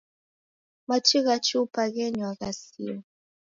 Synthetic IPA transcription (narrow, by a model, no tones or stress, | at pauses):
mat͡ʃiɣat͡ʃiupaɣɛɲwaɣasḭa